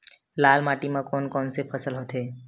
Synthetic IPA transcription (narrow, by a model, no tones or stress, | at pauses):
laːlmaːʈimãkɔːnkɔːnsepʰəsəlɦoːt̪ɦeː